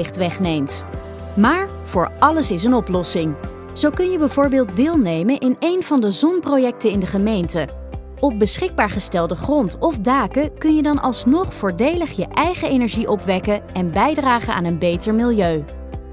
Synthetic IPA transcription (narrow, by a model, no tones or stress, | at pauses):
ɪχtʋɛχnejmt | maːɹ | v̥ʊːɹɑləsɪs̬ənɔplɔsɪŋ | z̥owkɵnjəbɛjvʊːɹbɪːlˠt̚dɪːlˠnejmənʔɪnejnv̥ɑndəzɔnprojɛk̚tənɪndəχəmejntə | ɔp̚bəsχɪɡ̚baːɹχəstɛlˠdəχrɔntɔfdaːkəkɵnjədɑnʔɑ̰lˠsnɔχfʊːɹdejləχjəʔɛjχəejnɛɹʒiʔɔpʋɛkəɛnbɛjdraːχəa̰ːnənbejtəɹmɪlˠjøɥ